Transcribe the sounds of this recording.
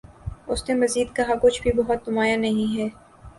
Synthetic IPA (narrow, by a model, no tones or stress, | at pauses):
ʊsnemɐziːd̪̚kɐɦakʊt͡ʃʰbʱibɐɦʊt̪̚d̪ʊmaːjanɐɦĩɦɛː